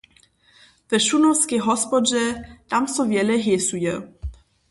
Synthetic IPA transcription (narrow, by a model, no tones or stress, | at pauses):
vɛʃunɔwskɛɦɔspɔd͡ʒɛt̪amsɔvjɛlɛɦɛsujɛ